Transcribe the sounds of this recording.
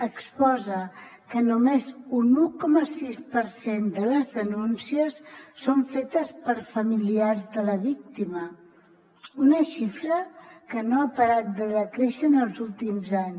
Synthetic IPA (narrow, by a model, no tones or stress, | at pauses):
əkspɔzə | kənumezunukɔməsispəɾsend̪ələzðənunsiəsːoɱfet̪əspəɾfəmiliarzðələβik̚t̪imə | unəʃifɾəkənoapəɾat̪̚d̪əðəkɾeʃənəlˠzulˠt̪imzaɲ